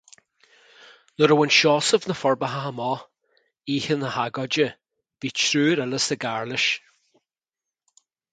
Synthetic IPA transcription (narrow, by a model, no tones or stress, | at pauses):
nɔɾəwənʃɔsɔvnəfɔɹbaɦaamɔ | iːhənəhaɡɔd͡ʒə | b̥it͡ʃʰɾʉːɾələsəɡaɹlɪʃ